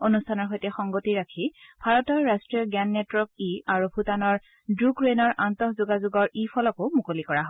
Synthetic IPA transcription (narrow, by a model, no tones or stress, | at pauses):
onustʰanɔɹxojtɛxɔŋɡotiɹakʰib̥ʱaɹɔtɔjɹastɹijɔɡɛnːɛtɹɔkiaɹubʱutanɔɹ | dɹukɹenɔɹʔantɔɦzuɡazuɡɔɹipʰɔlɔkʊmukolikɔɹaɦɔ